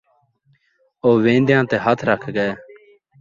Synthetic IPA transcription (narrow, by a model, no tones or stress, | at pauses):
oːʋẽːnd̪jãːt̪eːɦət̪ʰɾəkʰɡəeː